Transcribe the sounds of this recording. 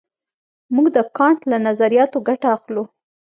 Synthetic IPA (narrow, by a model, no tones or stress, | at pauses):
muɡd̪əkɑɳʈlanazaɾijɑt̪oɡaʈaaxlu